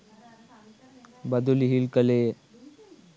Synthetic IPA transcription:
bəd̪ulɦilkəle

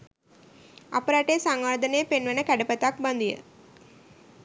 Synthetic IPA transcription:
apəɾaʈejsaŋʋaːd̪ənejəpenʋənəkæɖəpət̪ak̚band̪ijə̰

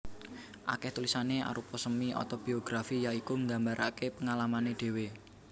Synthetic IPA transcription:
ʔa̰kɛht̪ulisaneʔa̰ɾupɔsəmiʔɔ̰t̪ɔb̥i̤oɡ̥ɾafijaikuŋɡa̤mbaɾʔakepəŋalamaneɖ̥e̤we

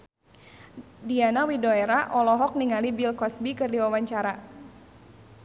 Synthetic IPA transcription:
dianawidoɛɾaʔɔlɔɦɔk̚niŋalibilkɔsbikɨrdiwawaɲt͡ʃaɾa

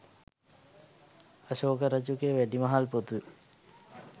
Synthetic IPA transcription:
aɕoːkəɾəd͡ʒukeʋæɖimɐɦalpot̪u

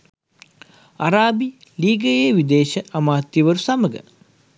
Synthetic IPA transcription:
aɐɾaːbi | liːɡɐjeːʋid̪eːʃəʔɐmaːt̪jiʋəɾusɐməɡə̰

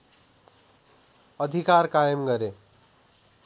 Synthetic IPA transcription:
ʌd̪ʱikarkajʌmɡʌɾe

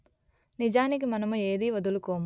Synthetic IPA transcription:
nid͡ʒaːnik̬imɐnɐmue̞ːd̪iːʋɐd̪ulukoːmu

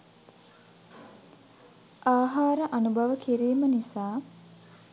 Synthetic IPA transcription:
ʔaːɦaːɾəʔanubʱɐʋəkiɾiːmənisaː

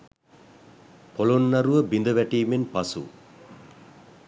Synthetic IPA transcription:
polonːɐɾuʋəbind̪əʋæʈiːmenpɐsṵ

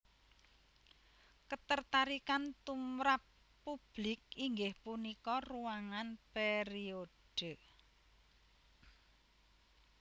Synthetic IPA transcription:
kət̪ərt̪aɾikant̪umɾapː | ub̥lɪk̚iŋɡɪhpunikɔruwaŋanpeɾioɖ̥ə̤

